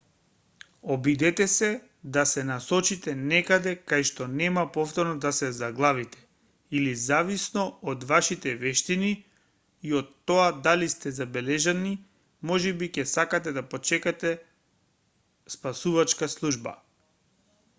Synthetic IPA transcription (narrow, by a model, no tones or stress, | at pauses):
obid̪ɛt̪ɛsɛ | d̪asɛnasɔt͡ʃit̪ɛnɛkad̪ɛkajʃt̪ɔnɛmapɔft̪ɔɾnɔd̪asɛzaɡlˠavit̪ɛ̥ | ilizavisnɔod̪vaʃit̪ɛvɛʃt̪iniː | ot̪ːoad̪alist̪ɛzabɛlɛʒani | mɔʒɛbicɛsakat̪ɛd̪apot͡ʃɛkat̪ɛ | spasuvat͡ʃkaslˠuʒba̰